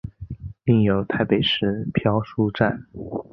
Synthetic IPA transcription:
li˥˩ŋjo˧˥ʊt̪ʰa˥˧ɪpe˨˩ɪʂɻ̩˥˩pʰjɑ˥ʊʂu˥ʈ͡ʂa˥˩n

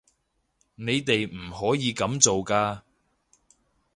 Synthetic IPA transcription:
ne˨˧jt̪e˨jm̩˨˩hɔː˨˥jiː˨˧kɐ˨˥mt͡so˨wkaː˧

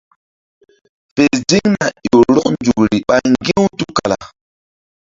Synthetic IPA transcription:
fe˨sdi˦ŋna˨jo˨ɾɔ˦knd͡ʒu˨kɾi˨ɓa˨ŋɡi˦wtu˦ka˨la̰˨

